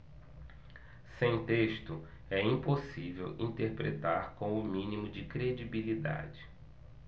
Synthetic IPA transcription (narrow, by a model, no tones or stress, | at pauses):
sẽj̃t̪eʃt̪ʊ | ɛĩposivḛwḭ̃t̪eɾpɾḛt̪aɾkõw̃ʊmĩnimʊd͡ʒɪkɾed͡ʒibilid̪a̰d͡ʒɪ